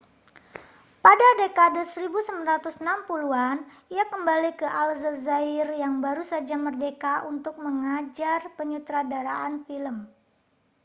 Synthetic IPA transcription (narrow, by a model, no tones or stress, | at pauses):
padadekadəsəɾibusəmanɾat̪usənampuluaniakəmbalikəʔalzəzaɪrjaŋbaɾusad͡ʒamərdekaʔunt̪ʊk̚məŋad͡ʒarpəɲut̪ɾadaɾaʔanfiləm